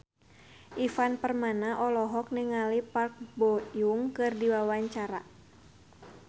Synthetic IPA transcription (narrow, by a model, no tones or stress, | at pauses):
ʔifanpərmanaʔɔlɔɦɔk̚niŋalipark̚bɔjuŋkɨrdiwawaɲt͡ʃaɾa